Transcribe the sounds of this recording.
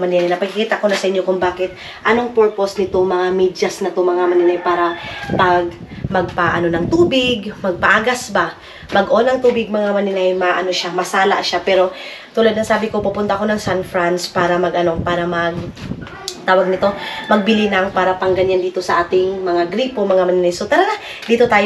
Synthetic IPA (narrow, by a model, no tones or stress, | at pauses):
mɐnɪnajnɐpɐɡ̚kɪkiːt̪ɐko̞nɐsɐʔɪɲjokʊŋbaːkɪt̪̚ | ʔɐno̞ŋpɛɹposnɪt̪oŋmɐŋamid͡ʒɐsnɪt̪oŋmɐŋamɐnɪnajpaːɾɐpɐɡmɐɡ̚paʔɐno̞nɐŋt̪uːbɪɡmɐɡ̚pɐʔaːɡasba | mɐɡʔo̞ːnɐŋt̪uːbɪɡ̚mɐŋamɐnɪnajmɐʔɐno̞ʃamɐsaːla̰ʔʃapɛːɾo̞ | t̪uːlad̪nɐŋsaːbɪkopupʊnt̪ɐʔko̞nɐŋsanfɾanspaːɾɐmɐɡɐno̞paːɾɐmɐɡ̚ | t̪aːwɐɡ̚nɪt̪o̞mɐɡ̚bɪlinɐŋpaːɾɐpɐŋɡɐɲand̪iːt̪o̞sɐʔaːt̪ɪŋmɐŋaɡɾiːpo̞mɐŋamɐnɪnajso̞t̪ɐlɐɡa | d̪iːt̪o̞t̪aːj